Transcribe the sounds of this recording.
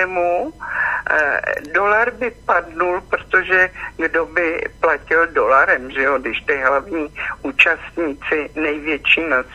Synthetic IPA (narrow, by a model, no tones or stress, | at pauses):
ɛmu | do̞laɾbɪpadnulpɾot̪oʒɛɡdo̞bɪplacɪldo̞laɾɛmʒɛjodɪʃt̪ɪɦlavɲiːʔuːt͡ʃast̪ɲiːt͡sɪnɛjvjɛt͡ʃiːnas